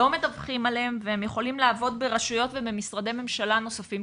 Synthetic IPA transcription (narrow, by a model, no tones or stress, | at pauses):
ome̞t̪avχimalehemvehemjeχo̞limlaːvo̞d̪beʁaʃujo̞tvebe̞misʁad̪e̞me̞mʃalano̞safim